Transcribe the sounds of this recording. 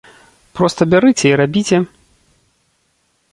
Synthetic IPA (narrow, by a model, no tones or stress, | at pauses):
pɾɔst̪ɐbʲaɾɨt͡sʲɛiɾabʲit͡sʲɛ